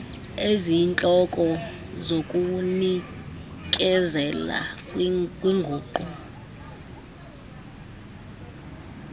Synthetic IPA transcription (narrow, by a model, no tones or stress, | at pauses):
ezint͡ɬʼɔkʼɔ | zokʼuni | kʼɛzɛla̰ | kʼwiŋɡʱuːǃɔ